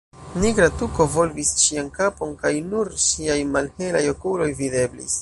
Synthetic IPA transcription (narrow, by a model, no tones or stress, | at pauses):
niɡɾatuko̞vo̞lvisʃiankapo̞nkajnuɾsiajmalhe̞lajokulo̞jvide̞blḭs